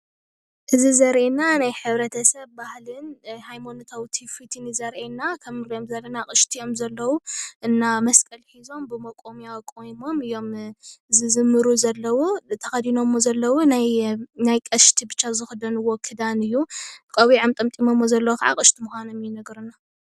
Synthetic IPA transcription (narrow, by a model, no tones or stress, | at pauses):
ʔɨzizɐɾʔenanajħɨβɾɐt̪ʰɐsɐβːahlɨnhajmonot̪ʰawt̪ʰifit̪ʰinizɐɾʔenakʰɐmɨɾjomzɐlɐnakʼɨʃt̪ʰijo̞mzɐlːɐwuʔɨnːamɐskʼɐlħizo̞mbɨmɐkʼomijawkʼojmo̞mɨjo̞mɨzɨzɨmːɨɾuzɐlːɐwot̪ʰɐxɐd̪ino̞mːozɐlːɐwonajnajkʼɐʃt̪ʰibɨt͡ʃːazɨxɨd̪ɐnɨwːokʰɨd̪anɨjːukʼɐβiʕɨmt̪ʼɐmt̪ʼimomːozɐlːɐwokaʕa̰kʼɨʃt̪ʰimuxʷanomjinɐɡɾuna